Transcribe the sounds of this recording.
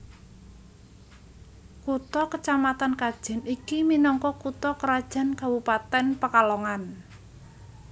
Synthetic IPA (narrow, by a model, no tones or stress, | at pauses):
kut̪ɔkət͡ʃamat̪ankad̥ʒ̥ɛ̤nikiminɔŋkɔkut̪ɔkəɾad̥ʒ̥a̤nkawupat̪ɛnpəkalɔŋan